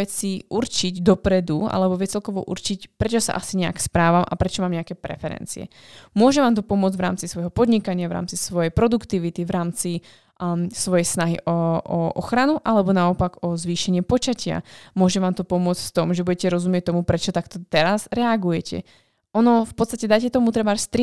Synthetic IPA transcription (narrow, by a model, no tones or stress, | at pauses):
ɛt͡siʔuɾt͡ʃiɟd̪ɔpɾɛd̪ua̰lɛbɔʋɪɛt͡sɛlkɔʋɔ̰ʔṵɾt͡ʃicpɾɛt͡ʃɔsa̰ʔasiɲɛa̰kspɾaːʋamʔa̰pɾɛt͡ʃɔmaːmɲɛakɛːpɾɛ̰fɛɾɛ̰nt͡sḭɛ̰ | mʊɔʒɛʋaːmt̪̬ɔpɔmʊɔd͡zɟvʋɾa̰ːmt͡sisʋɔjɦɔpɔd̪ɲikaɲɪavɾa̰ːmt͡sisʋɔjɛjpɾɔd̪ukt̪iʋit̪iʋɾaːmt͡si | sʋɔjɛjsnaɦḭʔɔɔʔɔ̰xɾanuʔalɛbɔnaɔpaɡɔzʋiːʃɛɲɪɛpɔt͡ʃacɪa̰mʊɔʒɛʋaːmt̪ɔpɔmʊɔt͡scft̪ɔmʒɛbuɟɛcɛɾɔzumɪɛc̚t̪ɔmupɾɛt͡ʃɔt̪akt̪ɔt̪ɛɾazɾɛaɡujɛcʰɛ̰ | ʔɔnɔfpɔt̪st̪acɛd̪ajcɛt̪ɔmut̪ɾɛbaːɾst̪ɾi